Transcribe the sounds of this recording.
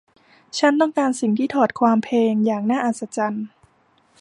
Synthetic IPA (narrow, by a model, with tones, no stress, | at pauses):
t͡ɕʰa˦˥nt̪ɔ˥˩ŋkaː˧nsi˨˩ŋt̪ʰiː˥˩t̪ʰɔː˨˩t̪̚kʰwaː˧mpʰeː˧ŋjaː˨˩ŋnaː˥˩ʔaː˨˩t̪̚sa˧t͡ɕa˧n